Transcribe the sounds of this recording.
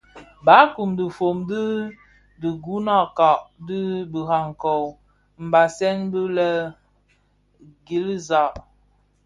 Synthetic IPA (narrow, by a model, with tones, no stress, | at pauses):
ba˨˦ku˨mdə˨fo˨mdi˦ | di˨ɡu˦na˦˨ka˨ʔdi˦bə˨ha˨ŋ˨ko˨w | m̩˨ba˨sɛ˦ŋbə˦lə˦ | ɡi˨˦lza˨ʔ